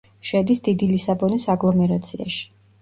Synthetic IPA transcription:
ʃɛd̪isd̪id̪ilisabɔnisaɡlˠɔmɛɾat̪sʰia̰ʃi̥

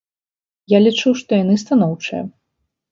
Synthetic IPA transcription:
jalʲit͡ʂuwʂt̪ɔjanɨst̪anɔwt͡ʂɨjɐ

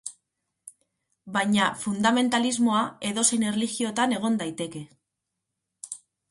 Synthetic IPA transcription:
bajɲafund̪ame̞nt̪alizmo̞ae̞ðo̞se̞jne̞rliɣio̞t̪ane̞ɣ̞o̞nd̪ajt̪e̞ke̞

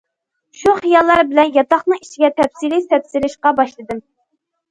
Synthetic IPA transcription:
ʃuχijɑlˠːɑɾbɪlɛnjɑt̪ɑχnɨŋit͡ʃʰiɡʲɛt̪ʰɛpsilɪt̪ʰɛpsɪɾɪʃqɑbɑʃlˠɨd̪ɨm

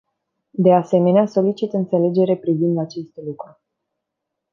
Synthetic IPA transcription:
d̪e̞ase̞me̞neaso̞lit͡ʃit̪ɨnt̪se̞le̞d͡ʒe̞ɾepɾivind̪at͡ʃe̞st̪lukɾu

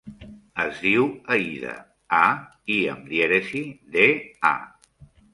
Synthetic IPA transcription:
əzðiwəiðə̰ | aiə̰md̪jeɾesiðea̰

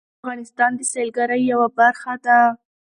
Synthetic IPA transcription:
ɣɑnɪst̪ɑnd̪əselɡaɾəjːawabaɾxad̪a

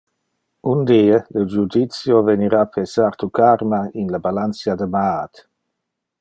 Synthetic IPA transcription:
und̪iːələd͡ʒud̪it̪sjoveniɾapʰesaɾt̪ukaɾmainlabalansjad̪əmaat̪

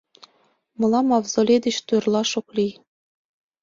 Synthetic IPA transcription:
mɤ̆lˠɑmɑvzolʲed̪ɘ̆ɕt̪ujrlˠɑʃuklʲi

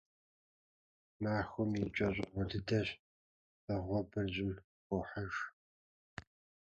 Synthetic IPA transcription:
maːxʷʊmit͡ʃʼɐɕʷʼɪʁʷɔdɨdɐɕ | ɐʁʷɔbɨrʑɪmʷ | ʊħɐʒ

